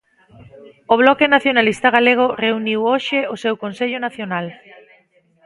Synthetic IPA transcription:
oβlɔkenaθjonalist̪aɣ̞aleɣ̞oreuniwoʃeosewkonseʎonaθjonal

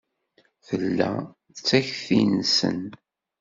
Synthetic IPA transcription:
θəlːæ̰ | θt͡sːæçθinsə̰n

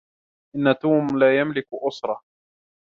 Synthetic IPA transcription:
ʔɪnːat̪uːmlaːjamlɪkʔʊsɾˤɑ

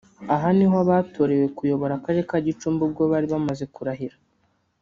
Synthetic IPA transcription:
aɦaniɦoaβaːtʰo̞ɾe̞we̞kujo̞βo̞ɾakaɾekaɟit͡ʃuːmbubɡoβaɾiβamaze̞kuɾaɦiɾa

